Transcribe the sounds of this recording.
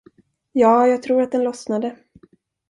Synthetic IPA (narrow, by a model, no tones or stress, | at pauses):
jɑːjɑːɡ̚t̪ʰɾuːɾat̪̚d̪ɛnlɔsnad̪ə